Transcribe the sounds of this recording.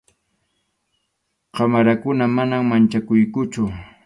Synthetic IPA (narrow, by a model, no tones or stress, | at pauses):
qɑmaɾakʊnamanaŋmant͡ʃakʊjkʊt͡ʃʊ